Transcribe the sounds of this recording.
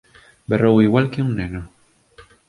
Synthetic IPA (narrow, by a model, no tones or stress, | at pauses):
berowiɣwalkiuŋneno